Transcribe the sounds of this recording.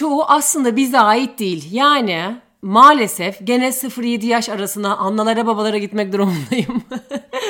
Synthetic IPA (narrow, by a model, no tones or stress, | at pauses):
t͡ʃoːʔaslˠɯnd̪abizd̪ɛaːjit̪̚d̪ejilʲjaːni | maːlʲe̞sɛfɟe̞nɛlʲsɯfɾjed̪ijaʃaɾasɯnd̪aʔanlːˠalˠaɾababalˠaɾaɟit̪mɛc̚d̪iɾomlˠajɯm